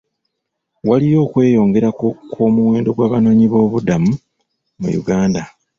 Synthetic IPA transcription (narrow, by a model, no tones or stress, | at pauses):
walijo̞ːkwe̞ːjo̞ːŋɡe̞ɾakkʰo̞ːmuwe̞ːndo̞ɡwaːβano̞ːɲiβo̞ːβudamu | mṵjṵɡaːnda